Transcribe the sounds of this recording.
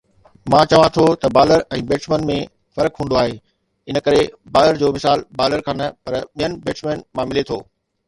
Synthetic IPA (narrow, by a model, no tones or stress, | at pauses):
mãːt͡ɕɐʋãt̪ʰot̪ɐbaːləɾɛ̃ːbeːʈsmeːnmẽ | fɐɾəkɦũːnd̪oaːɦeː | ɪnə̆kɐɾebaːləɾd͡ʑoːmɪsaːlbaːləɾkʰãːnɐpɐɾɓijənɪ̆beːʈsmẽːnmãmɪlet̪ʰo̰ː